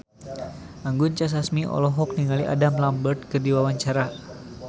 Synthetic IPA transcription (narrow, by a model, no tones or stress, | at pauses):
ʔaŋɡunt͡ʃas̬asmiʔɔ̰lɔɦɔk̚niŋaliʔa̰damlambərt̪̚kərdiwawaɲt͡ʃaɾa